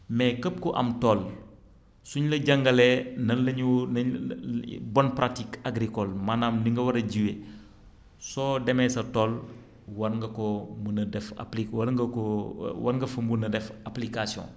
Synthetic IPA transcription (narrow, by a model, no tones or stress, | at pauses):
mɛkəp̚kɔʔɐ̰mtɔːl | suɲlɐɟɐŋɡɐlɛnɐnlɐɲunɐ | bɔnpɾatikaɡɾikɔlmanaːmdiŋɡɐwɐɾɐɟiwe | sɔːdɛmɛsɐtɔl | wɐnŋɡɐkɔmunɐdɛfa̰plikwɐɡɐkɔwɐnŋɡɐfəmbunɐdɛfaplikasiɔ̰̃